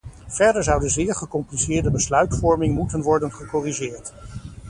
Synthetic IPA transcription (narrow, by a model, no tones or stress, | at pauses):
v̥ɛɹdəɹzʌwdəzɪːɹχəkɔmplisɪːɹdəbəslœɥtfɔɹmɪŋmutənʋɔɹdənχəkɔriʒɪːɹt